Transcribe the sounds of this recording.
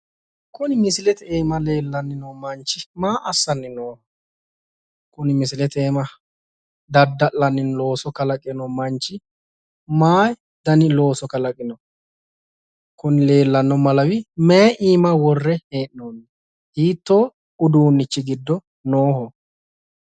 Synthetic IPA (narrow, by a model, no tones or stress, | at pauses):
kʊnɪmɪsɪlɛt̪eːmɐle̞ːlːɐnːɪnɔːmɐnt͡ʃːɪmaːʔɐsːɐnːɪnoːhɔ | kʊnɪmɪsɪlɛt̪eːmɐ | d̪ɐd̪ːɐʔːɐnːɪnlo̞ːsɔkɐlɐkʼːɪnɔmɐnt͡ʃːɪ | maːj | d̪ɐnɪlo̞ːsɔkɐlɐkʼːɪnɔ | kʊnɪle̞ːlːɐnːɔmɐlɐwɪmɛʔiːmɐwɔrːɛheːʔnoːnːɛ | hiːt̪ːo̞ː | ʊd̪uːnːɪt͡ʃːɪɡɪd̪ːɔ | noːhɔ